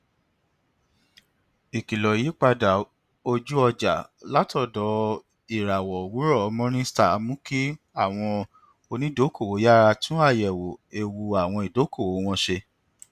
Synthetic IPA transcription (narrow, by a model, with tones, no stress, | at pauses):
i˨ki˨lɔ˨ji˨˦k͡pa˧da˨ | o˧d͡ʒu˦ɔ˧d͡ʒa˨la˦tɔ˦˨dɔ˨˦ | i˨ɾa˨wɔ˨wu˨˦ɾɔ˦˨ɔ˧mɔ̃˦ɾ̃ĩ˦sta˦˨˦mũ˦ki˦ | a˦˨w̃ɔ̃˧ | o˧nĩ˨˦do˨˦ko˦˨wo˨˦ja˦ɾa˧tũ˦a˦˨jɛ˨wo˨e˧wu˧a˨w̃ɔ̃˧i˨do˨˦kʰo˦˨wo˨˦w̃ɔ̃˧ʃe˧